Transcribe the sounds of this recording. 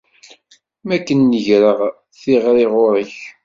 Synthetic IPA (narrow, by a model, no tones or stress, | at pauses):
mækːənːəʝɾəʁ | θɪʁɾeʁʊɾəç